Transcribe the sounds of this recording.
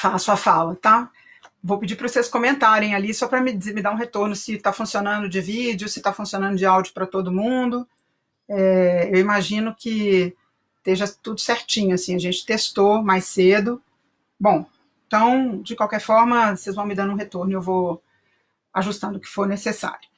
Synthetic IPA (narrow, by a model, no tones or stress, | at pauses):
falasuɐfalɐt̪a | vowpɪd͡ʒipɾɐvoseskõmẽnt̪aɾẽj̃alisɔpɾɐmɪd͡ʒemɪd̪aɾũɦet̪oɾnʊsɪt̪afũsionɐ̃nd̪ʊd͡ʒɪvid͡ʒɪʊsɪ̥t̪afũsiõnɐ̃nd̪ʊd͡ʒɪawd͡ʒʊpɾɐt̪od̪ʊmũd̪ʊ | ɛewimaʒĩnʊkɪ | t̪eʒɐt̪ud̪ʊseɾt͡ʃĩɲʊasĩɐʒẽnt͡ʃɪ̥t̪est̪omajsed̪ʊ | bõ | ẽt̪ɐ̃w̃d͡ʒɪkwawkɛɾfɔɾmɐsezvɐ̃w̃mɪd̪ɐ̃nũɦet̪oɾnʊewvow | aʒust̪ɐ̃nd̪ʊkɪ̥foɾnesesa̰ɾjʊ